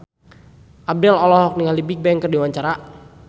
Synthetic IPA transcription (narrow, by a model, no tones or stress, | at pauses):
ʔab̚dɛlɔlɔɦɔk̚niŋalibik̚bɛŋkərdiwaɲt͡ʃaɾa